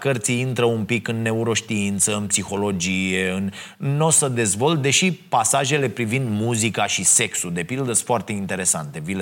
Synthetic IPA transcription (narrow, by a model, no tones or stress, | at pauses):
kərt̪siint̪ɾəumpikɨnːe̞uɾo̞ʃt̪iint̪səɨnpsixo̞lo̞d͡ʒijeɨnːo̞səd̪e̞zvo̞lt̪̚d̪e̞ʃipasaʒe̞le̞pɾivind̪muzikaʃise̞ksud̪e̞pild̪əfoart̪e̞int̪e̞ɾe̞sant̪e̞vile